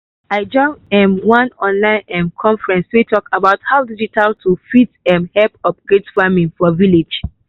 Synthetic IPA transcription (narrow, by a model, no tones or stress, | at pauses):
aɪd͡ʒɔ̃ŋɛ̃mwãnɔ̃nlãɪ̃nʔɛ̃mkʰɔ̃ɱfɹɛ̃nswitʰɔkabaʊthaʊdid͡ʒitʰaltʰufitɛ̃mhɛlpɔpɡɹetfamĩŋfɔviled͡ʒ